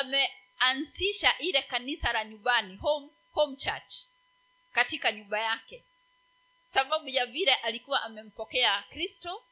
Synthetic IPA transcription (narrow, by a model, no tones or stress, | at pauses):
amɛ | anziʃaʔiɾɛkanisaɾaɲumbanihɔm | hɔm̩t͡ʃat͡ʃ | katikaɲumbajakɛ | ksaɓaɓuʄaviɾɛʔalikuwaʔamɛm̩pɔkɛakɾistɔ